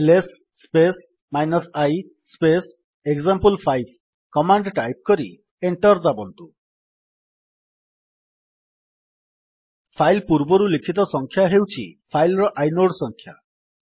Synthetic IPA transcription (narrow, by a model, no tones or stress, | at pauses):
lesː | pes | majnɔsaj | spes | eɡzampɔlpʰajl | kɔmaɳɖʈajp̚kɔɾi | eɳʈɔɾd͡ʒabɔnt̪u | pʰajlpuɾbɔɾulikʰit̪ɔsɔŋkʰjaɦewt͡ʃʰḭpʰajlɾɔʔajnoɖsɔŋkʰja̰